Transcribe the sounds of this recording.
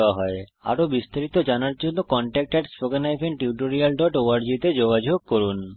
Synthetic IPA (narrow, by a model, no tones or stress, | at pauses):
aɦɔea̰ɾobist̪aɾit̪od͡ʑanaɾd͡ʑonːokɔɳʈɛk̚ʈeɖsʈoɡanajfʰenʈiuʈ̬oɾialɖɔʈoaɾd͡ʑit̪ed͡ʑoɡad͡ʑʱoɡ̚koɾun